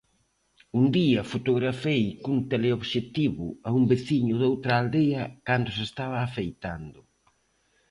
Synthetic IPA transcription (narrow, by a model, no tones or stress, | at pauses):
und̪iɐfot̪oɣɾafejkunt̪eleoβʃet̪iβʊ̰aumbeθiɲʊðowt̪ɾaːld̪eɐkand̪ʊsest̪aβ̞aːfejt̪and̪ʊ